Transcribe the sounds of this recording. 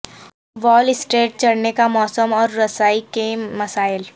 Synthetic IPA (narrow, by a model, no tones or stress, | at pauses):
ʋɔːlɪsʈeːʈ̚t͡ʃɐɽnekamɔːsəmɔːɾːɐsaːikemɐsaːɪl